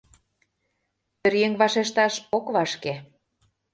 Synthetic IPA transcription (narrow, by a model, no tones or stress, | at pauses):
ø̆ɾjeŋβɑʃeʃt̪ɑʃokβɑʃke